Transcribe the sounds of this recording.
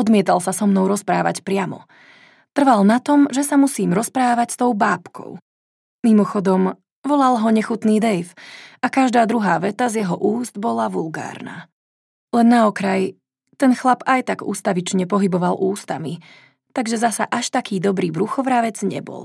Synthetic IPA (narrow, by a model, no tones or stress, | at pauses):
ɔd̪mɪɛt̪alsasɔmnɔʊɾɔspɾaːʋa̰cpɾɪamɔ̰ | t̪r̩ʋalnat̪ɔmʒɛsamusiːmɾɔspɾaːʋacst̪ɔʊbaːpkʰɔ̰ʊ | mimɔxɔd̪ɔm | ʋɔlalɦɔɲɛxut̪niːd̪ɛjfakaʒd̪aːd̪ɾuɦaːʋɛt̪azjɛɦɔʔuːzd̪bɔlaʋulɡa̰ːɾna̰ː | lɛnːaɔkɾaj | t̪ɛnxlapajt̪aɡṵːst̪aʋit͡ʃɲɛpɔɦibɔʋalʔuːst̪ami | t̪aɡʒɛzasaʔaʃt̪akiːd̪ɔbɾiːbɾuxɔʋɾaʋɛd͡zɲɛ̰bɔ̰l